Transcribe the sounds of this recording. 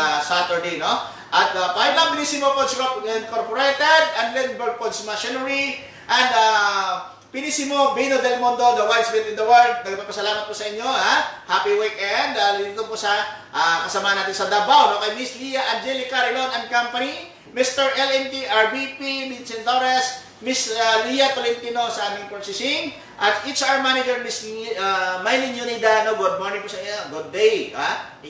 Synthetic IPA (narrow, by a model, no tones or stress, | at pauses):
sat̪ɛɹd̪ejno | ʔɐt̪̚apajbabnisimopod̪skoɛnkoɹpoɾɛjt̪ɛd̪ɐnlɛnbɛɹɡ̚pod̪smɐʃɛnɐɹi | ʔɐnd̪a | pɪnisimobijnod̪ɛlmond̪od̪ɐwajd̪sbɪt̪ɪnd̪ɐwaɹd̪̚nɐɡɐpɐɡpɐsɐlaːmɐt̪̚posɐʔɪɲːohahapiwikɛnd̪aliniːt̪oɡ̚posɐ | ʔakɐsɐmahɐnaːt̪ɪnsɐd̪abawnokɐjmislijɐʔɐnd͡ʒɛlikaɹɪnonɐnkampɐni | mist̪ɛɹʔɛlɛnt̪iʔaɹvipimit̪sɛnloɾɛs | misalijɐt̪olɪnt̪inosɐʔaːmɪ̃ŋposɪsɪŋ | ʔɐt̪itt͡ʃawəɹmanɪd͡ʒɛɹmisamajlinjunid̪anoɡud̪̚moɹnɪ̃ŋpusɐiɲɡʊd̪̚ːejha